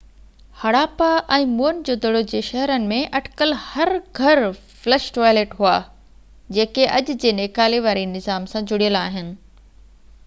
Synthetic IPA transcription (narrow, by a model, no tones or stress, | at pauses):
hɐɽaːpaʔɛ̃ːmuːənɪ̆d͡ʑoːd̪ɐɽod͡ʑeːʃɐɦɾənɪ̆mẽʔɐʈkəlhɐɾɡʱɐɾ | flɛːʃʈoːjleːʈɦuaː | d͡ʑeːkeʔɐd͡ʑ̆d͡ʑeːneːkaːleʋaːɾinɪzaːmsãd͡ʑʊɽijəlaːɦɪnɪ̆